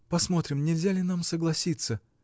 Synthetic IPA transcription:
pɐsmo̞t̪ɾʲɪmnʲɪlʲzʲalʲɪnamsəɡlˠɐsʲit̪sə

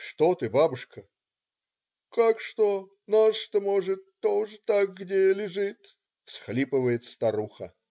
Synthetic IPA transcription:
ʂt̪ot̪ɨbabʊʂkə | kakʂt̪o | nasʂt̪omoʐɨt̪ːoʐɨt̪akɡdʲelʲɪʐɨt̪ | fsxlʲipɨvəjɪt̪st̪ɐɾuxə̰

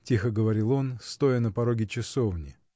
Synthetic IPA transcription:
tʲixəɡəvɐɾʲilˠo̞nst̪o̞jənəpɐɾo̞ɡʲɪt͡ɕɪsovnʲɪ

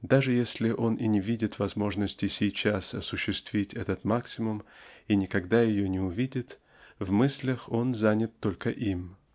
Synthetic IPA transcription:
d̪aʐɨjesʲlʲɪʔo̞ninʲɪvʲidʲɪt̪vɐzmo̞ʐnəsʲtʲɪsʲɪjt͡ɕasɐsʊɕːɪst̪vʲitʲɛt̪ət̪maksʲɪmʊminʲɪkɐɡd̪ajɪjonʲɪʊvʲidʲɪt̪ | vmɨsʲlʲəxo̞nzanʲɪt̪ːo̞lʲkəʔim

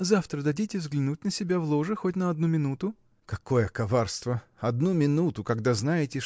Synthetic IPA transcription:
zaft̪ɾəd̪ɐdʲitʲɪvzɡlʲɪnutʲnəsʲɪbʲavlˠo̞ʐɨxotʲnəɐd̪numʲɪnut̪ʊ | kɐko̞jəkɐvarst̪vəɐd̪numʲɪnut̪ʊkɐɡd̪aznajɪtʲɪ

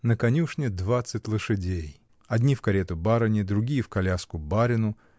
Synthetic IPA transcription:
nəkɐnʲuʂnʲɪd̪vat̪sɨtʲlˠəʂɨdʲej | ɐd̪ʲnʲifkɐɾʲet̪ʊbaɾənʲɪd̪ɾʊɡʲijəfkɐlʲaskʊbaɾʲɪnʊ

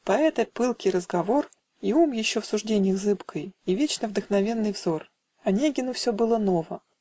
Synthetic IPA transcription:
pɐɛt̪əpɨlˠkʲɪɾəzɡɐvo̞r | iumjɪɕːofsʊʐdʲenʲɪjəɣzɨpkʰəjivʲet͡ɕnəvd̪əxnɐvʲe̞nːɨjvzo̞r | ɐnʲeɡʲɪnʊfsʲɵbɨlˠəno̞və

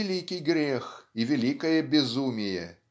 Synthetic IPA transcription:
ɪlʲikʲijɡɾʲexivʲɛlʲikɐjɐbʲɪzumʲɪjɛ̰

